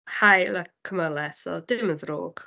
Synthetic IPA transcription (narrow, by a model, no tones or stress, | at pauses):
hajlakkʰːəməlˠɛsɔ̰dɪməðro̰ːɡ̥